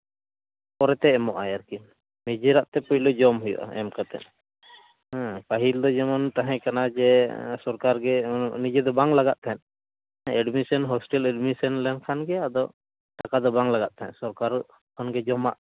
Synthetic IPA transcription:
pɔɾɛt̪ɛɛmɔʔajaɾkin | mɛd͡ʒiɾaʔt̪ɛpujlɔd͡ʒɔmɦujɔ̰ʔa̰ɛ̰mkat̪ɛ̰ʔ | hɛ̃paɦild̪ɔd͡ʒɛmɔnt̪aɦɛ̃kanad͡ʒɛsɔɾkaɾɡɛnid͡ʒɛd̪ɔbaŋlaɡaʔ̪̚t̪ʰaɦɛn | ɛɖmisɔnɦɔsʈɛlɛɖmisɔnlɛnkʰanɡɛad̪ɔ | ʈakad̪ɔbaŋlaɡaʔ̪̚t̪aɦɛ̃nsɔɾkaɾ | kʰanɡɛd͡ʒɔmaʔ

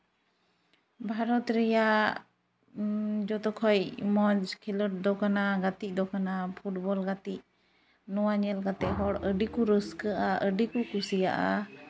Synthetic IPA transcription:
bʱaɾɔt̪ɾɛja | d͡ʒɔt̪ɔkʰɔjmɔd͡ʒkʰiləʈ̚d̪ɔkanaɡat̪iʔ̚ˀd̪ɔkanapʰuʈbɔlɡat̪ic̚ | nɔwaɲɛlkat̪ɛʔɦɔɽəɖikuɾəskəʔaʔəɖikukusija̰ʔa̰

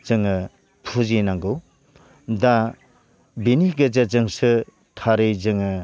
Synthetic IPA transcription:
zɯŋɯ | pʰuzinaŋɡɯw | da | biniɡɯd͡ʒɐzɯŋsɯ | tʰaɾɯjzɯŋɯ

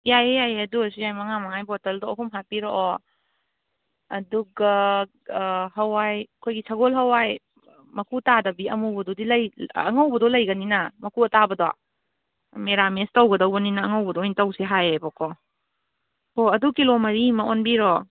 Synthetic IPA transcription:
jajejajeɐduɐsijajmɐŋamɐŋajbɔtɐldɔɔɦumɦapiɾoʔɔ | ɐduɡa | ɦɐwajkʰojɡisaɡolɦɐwaj | mɐkʰutadɐbiɐmubɐdɔdilɐjɐ̰ŋɐwbɐdɔlɐjɡɐninɐmɐkuɐtabɐdɔ̰ | meɾamestɐwɡɐdɐwɡɐninɐːŋɐwbɐdɔjntɐwsiɦajebɔkʰɔ | koɐdukilomɐɾimɐonbiɾɔ

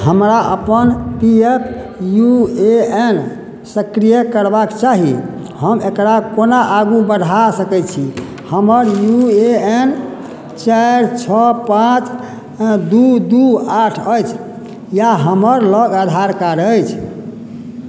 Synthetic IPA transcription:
həmɾaʔəpənpiepʰ | jueen | səkɾijəkəɾbakt͡ʃaɦi | həmekɾakonaʔaɡubəd̪ʱasəkɛt̪̚t͡ʃʰi | həməɾjueen | t͡ʃaɾt͡ʃʰəpãt͡ʃ | d̪ud̪uaʈʰəjt͡ʃʰ | jaɦəməɾləɡad̪ʱaɾkaɾəjt͡ʃʰ

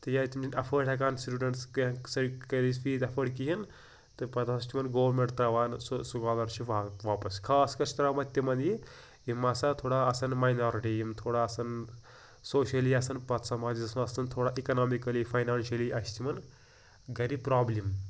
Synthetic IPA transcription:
t̪ɨjaːt̪imd͡ʒinʲɐpʰəɽʈʰɐk̬aːnsʈuːɖɐɳʈskɐsɐɽkɐlisfiːt̪ɐpʰɐɽkiɦɐn | t̪ɨpɐt̪ːɐst͡ʃimɐnɡoːʋɾmeɳʈt̪ɾɐʋaːnssuɡaːlɐɾt͡ʃʰiʋaʋaːpɐskʰaːskɐɾt͡ʃʰit̪ɐɾamɐt̪ʲjɐmɐnd̪ji | jimːasat̪ʰoːɽaɐsɐnmɐjnaːɾiʈijimt̪ʰoːɽaɐsɐn | soːʃɐliɐsɐnpɐt̪sɐmaːd͡ʒzɐsmɐɐsɐnt̪ʰoːɽaʔikɐnaːmikɐlifʰɐjnaːnʃɐliʔɐst͡ʃimɐn | ɡɐɾipɾaːblim

